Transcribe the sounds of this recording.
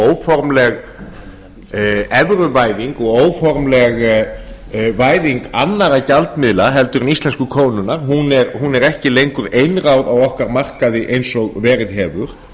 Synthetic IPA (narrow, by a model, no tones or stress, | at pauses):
oːwfɔɾmlɛɣ | ɛvɾʏvaːjðiŋkɔɣoːwfɔɾmlɛɣ | vaːjðiŋkanːaɾacalt̪mɪðlaɦɛlt̪ʏɾʏnist̪lɛnskʏkʰoːwnʏnaɾ̥ɦunɛɾɦunɛɾɛhcɪlejŋkʏɾejnraːwðawɔhkaɾmar̥kaðɪʔejnsɔɣvɛːɾɪðɦɛːvʏɾ̥